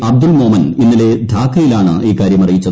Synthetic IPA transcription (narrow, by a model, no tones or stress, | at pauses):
ɐb̚d̪ulmoːmɐninːile̞d̪ʱaːkʰːɐjilaːɳɨ̰iːkaːɾjɐmɐrijit͡ɕːɐð